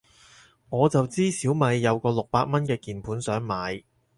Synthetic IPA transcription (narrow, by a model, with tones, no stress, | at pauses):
ŋɔː˨˧t͡sɐ˨wt͡siː˥siː˨˥wmɐ˨˧jːɐ˨˧wkɔː˧lʊ˨k̚paː˧t̚mɐ˥nkɛː˧kiː˨˩npʰuː˨˥nsœː˨˥ŋmaː˨˧j